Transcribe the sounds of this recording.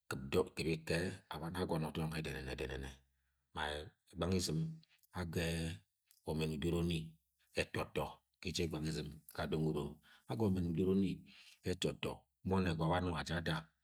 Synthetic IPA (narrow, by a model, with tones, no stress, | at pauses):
kɨ˨b̚dɔ˦ki˨bi˦kɛ˦a̰˨βa˦n˦a˦ɡɔ˨nɔ˨tɔ˦ɔ˦ŋɛ˦˨dɛ˨nɛ˨nɛ̰˨dɛ˨nɛ˨nɛ˨ | ma˨ | i˨ɡ͡ba˦ŋi˦zi˨m | a˦ɡɛ˦ | wo˨mɛ˨n̩˨do˦ɾo˦ni˦ | ɛ˨tɔ˨tɔ˨ | ki˦t͡ʃɛ˦˨ɡ͡ba˨ŋi˦zi˨mka˨do˦ŋu˨ɾo˨a˦ɡɔ˦˨mɛ˨n̩˨do˦ɾo˦ni˦ɛ˦tɔ˨tɔ̰˨˦ | mɔ˦nɛ˨ɡɔ˨ba˦nɔ˦˨a˨d͡ʒa˦da˦